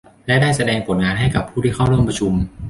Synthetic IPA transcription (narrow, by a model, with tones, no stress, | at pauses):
lɛ˦˥daː˥˩jsa˧dɛː˧ŋpʰo˩˦nŋaː˧nɦa˥˩jka˨˩pʰːuː˥˩t̪ʰiː˥˩kʰa˥˩wɾu˥˩əmpɾa˧t͡ɕʰu˧m